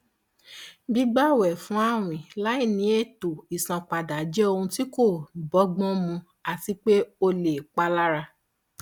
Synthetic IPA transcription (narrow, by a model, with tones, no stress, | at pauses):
bi˦ɡ͡ba˦˨wɛ˨fũ˨˦a˦w̃ĩ˨la˨˦i˦˨nĩ˧˦e˦˨to˨i˨sã˨k͡pa˨da˨˦d͡ʒɛ˦o˧ũ˧ti˦ko˦˨bɔ˨˦ɡ͡bɔ̃˦mũ˧ | a˨ti˦k͡pe˦o˧le˨k͡pa˦la˦ɾa˧